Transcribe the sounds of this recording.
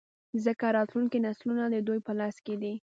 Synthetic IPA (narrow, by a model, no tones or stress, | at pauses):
zəkaɾɑt̪luŋkinaslunad̪əd̪ujpəlɑsked̪i